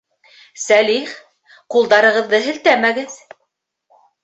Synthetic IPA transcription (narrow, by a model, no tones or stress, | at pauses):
sæliχ | qulˠd̪ɑɾɤ̆ʁɤ̆ðːɤɦɘ̆lt̪æmæɡɘð